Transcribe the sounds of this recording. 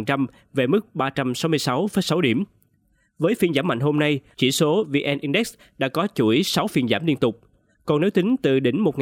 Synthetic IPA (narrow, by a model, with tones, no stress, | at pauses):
ŋt͡ɕa˧m | ve˨˩mɨ˦˥k̚ɓaː˧t͡ɕa˧msa˨˦wmɨ˧əjsa˨˦wfə˨˦jsa˨˦wɗi˧˩əm | vəː˨˦jfi˧nzaː˧˥˩mːa̰˧˨ŋho˧mna˧jt͡ɕḭ˧˩so˨˦vi˧ʔɛ˧nʔi˧nɗɛ˦˥k̚s | ɗa̰ː˧˥kɔ˨˦t͡ɕu˧˩i˨˦sa˨˦wfi˧˩ənzaː˧˩mli˧ənt̪ʊ˨˩k͡p̚ | kɔ˨˩ne˨˦wt̪i˨˦ŋ̟t̪ɨ˨˩ɗï˧˩ŋ̟mo˨˩t̚ŋ